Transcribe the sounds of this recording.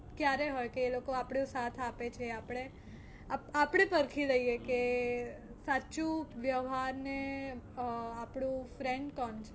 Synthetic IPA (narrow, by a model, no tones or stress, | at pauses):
kjaɾeɦɔjkeːlokoapɽjosat̪ʰapet͡ʃʰeapɽ̃e | apapɽ̃epəɾkʰiləijeke | satːt͡ʃũʋjəʋɦaɾne | apɽ̃ũfɾẽɳɖkɔnt͡ʃʰe